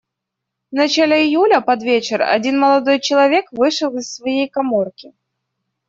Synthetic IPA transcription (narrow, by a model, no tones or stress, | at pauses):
vnɐt͡ɕalʲɪɪjulʲəpɐd̪vʲet͡ɕɪrɐ̰dʲinməlˠɐd̪o̞jt͡ɕɪlˠɐvʲe̞kvɨʂəlˠɪssvɐjejkɐmo̞rkʲɪ